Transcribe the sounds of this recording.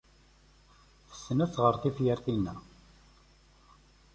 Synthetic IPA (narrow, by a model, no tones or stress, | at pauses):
θə̥sːənæt͡sːʁəɾˤθifjəɾθinːæ